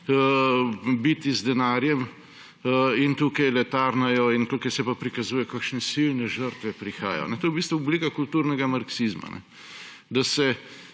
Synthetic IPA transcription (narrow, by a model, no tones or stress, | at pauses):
bit̪izd̪ɛnaːɾjɛm | int̪uːkajlɛt̪aɾnajɔint̪uːkɐjsɛpapɾikazuːjɛkakʃnɛsilnɛʒəɾt̪ʋɛpɾixa̰ːja̰jɔ̰nɛt̪oːjbist̪ʋuublikakult̪uɾnɛɡamaɾksizma̰nɛ̰ | d̪asɛ